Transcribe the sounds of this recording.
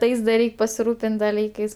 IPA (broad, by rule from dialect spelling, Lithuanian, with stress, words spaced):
ˈtɐɪs dɐ ˈrʲɛɪkʲ pɐsʲɪˈruːpʲɪnʲtʲ dɐˈlʲiːkɐɪs